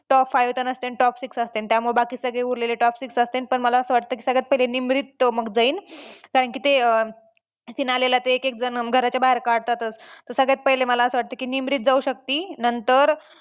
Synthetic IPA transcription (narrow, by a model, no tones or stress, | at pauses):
ʈɔpfajʋt̪ənəst̪enʈɔpsiksast̪ent̪jamuɭebakiːsəɡɭeuɾleleʈɔpsiksəst̪enpəɳməlaəsəːʋaʈt̪əki̥ːsəɡɭat͡s̪̚pəɦilenimɾit̪məɡd͡zaiːnkaɾəɳkiːt̪e | finalelat̪eːkek̚d͡zənɡʱəɾat͡ɕjabaɦeɾkaɽt̪at̪ət͡st̪əɾsəɡɭjat̪̚pəɦileməlaəsəːʋaʈ̚t̪əːkiːnimɾit̪̚d͡zauɕək̚t̪iːnənt̪əɾ